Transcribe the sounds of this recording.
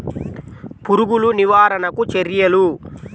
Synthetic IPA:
puɾuɡuluniʋaːɾɐnɐkut͡ʃeɾjɐlu

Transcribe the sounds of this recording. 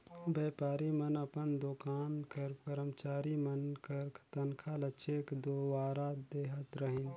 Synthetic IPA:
beːpaːɾimɐnɐpənd̪okaːnkɐɾpəɾəmt͡ʃaːɾimɐnkɐɾkt̪ɐnkʰalɐt͡ʃʰeːkd̪oːʋaːɾad̪eːɦət̪ɾɐɦin

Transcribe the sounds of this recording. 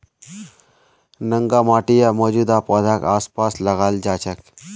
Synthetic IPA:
nə̃ŋɡamaːʈijamɔːd͡ʒuːd̪apɔːd̪ʱakaːspaːslɐɣaːld͡ʒaːt͡ʃək

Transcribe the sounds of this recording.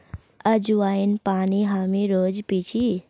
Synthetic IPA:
əd͡ʒuwaːinpaːniɦamiɾoːd͡ʒpit͡ʃʰi

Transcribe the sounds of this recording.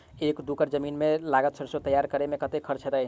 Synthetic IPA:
ekd̪ukəɾd͡ʒəminmelaɡət̪t͡ʃʰəɾsot̪əjaɾkəɾemekət̪ekʰəɾt͡ʃʰəɾa

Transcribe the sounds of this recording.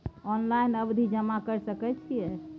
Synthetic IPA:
ɔnlainəbd̪ʱid͡ʒəmakəɾsəkɛt͡ʃʰijɛ

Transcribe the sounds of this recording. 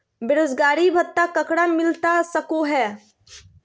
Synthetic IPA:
beɾod͡ʒɡaːɾibʱət̪ːakəkɽamɪlt̪asəkoɦɛː

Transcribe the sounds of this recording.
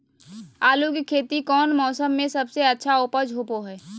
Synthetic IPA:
aːlukikʰeːt̪ikɔːnmɔːsəmːẽsɐbseɐtːʃʰaoːpəd͡ʒʱoːpoɦɛː

